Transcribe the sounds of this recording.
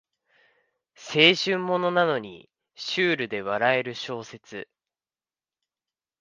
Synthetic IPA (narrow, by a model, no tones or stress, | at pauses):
se̞ːɕɨ̃mːo̞no̞nano̞ɲ̟ḭ | ɕɨːɾɯ̟d̪e̞βaɾae̞ɾɯ̟ɕo̞ːse̞t͡sɨ